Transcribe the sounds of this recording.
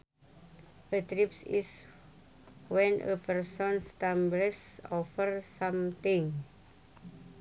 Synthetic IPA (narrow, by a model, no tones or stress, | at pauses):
ʔət̪ɾipsḭs | wɛnʔə̰pərsɔnst̪amblɛsɔfərsamt̪ɪŋ